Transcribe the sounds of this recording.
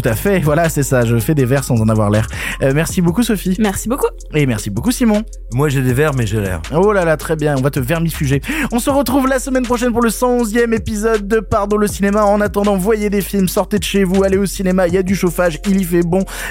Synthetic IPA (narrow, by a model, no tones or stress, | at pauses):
tt̪u̥t̪afɛvwalasɛsaʒəfɛd̪evɛʁsɑ̃zɑ̃navwa̰ʁlɛʁmɛʁsibokusɔfimɛʁsiboku | emɛʁsibokusimɔ̃ | mwaʒed̪evɛʁmɛʒelɛ̰ʁolalat̪χɛbjɛ̃ɔ̃vat̪əvɛʁmifyʒeɔ̃səʁət̪χuvlasəmɛnpχɔʃɛnpuʁləsɑ̃ɔ̃zjɛmepizɔd̪̚ːəpaʁd̪ɔ̃ləsinemaɑ̃nat̪ɑ̃d̪ɑ̃vwajed̪efilmsɔʁt̪ed̪əʃevualeosinemaijad̪yʃofaʒilifɛbɔ̃